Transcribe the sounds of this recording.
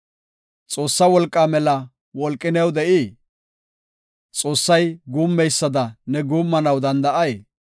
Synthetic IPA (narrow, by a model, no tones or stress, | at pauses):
t͡sʼo̞ːsːɐwɔlkʼːamɛlɐ | wɔlkʼːɪnɛwd̪ɛʔiː | t͡sʼo̞ːsːɐjɡuːmːɛjsːɐd̪ɐnɛɡuːmːɐnɐwd̪ɐnd̪ɐʔɐje